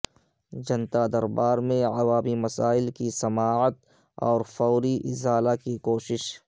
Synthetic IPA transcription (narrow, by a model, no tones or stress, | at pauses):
d͡ʒɐ̃nt̪ad̪ɐɾbaːɾmẽɐwaːmimɐsaːɪlkisɐmaːʕət̪ | ɔ̰ːɾfɐʊɾiʔɪzaːlakikoːʃɪʃ